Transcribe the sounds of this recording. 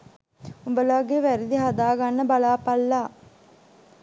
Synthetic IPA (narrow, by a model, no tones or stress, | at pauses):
umbəlaːɡeʋæɾid̪iɦad̪aːɡanːəbalaːpɐlːaː